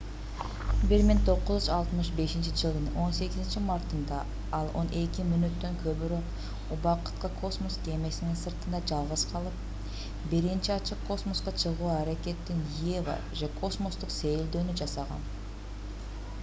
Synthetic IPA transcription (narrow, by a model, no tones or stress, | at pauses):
biɾmɪŋt̪ʰo̞qːʊzyzɑlˠt̪mɯʃbe̞ʃint͡ʃid͡ʒɯlˠd̪ɯno̞nse̞ɡʲɪzɪnt͡ʃimɑɾt̪ɯnd̪ɑ | ɑlˠo̞̰nʔe̞kʲimynøt̪ːø̞ŋkʰøβyɾøq | ubɑqɯ̥t̪̚qɑkʰo̞smo̞ske̞me̞sɪninsɯɾt̪ɯnd̪ɑd͡ʒɑlˠʁəz̥qʰɑlˠɯp̚ | biɾint͡ʃiɑt͡ʃɯqʰːo̞smo̞sqɑt͡ʃʰɯʁuːɑɾeke̞t̪ːinevə̰ | ʒekʰo̞smo̞st̪ʊqse̞jeld̪øːnyd͡ʒɑsɑʁɑ̰n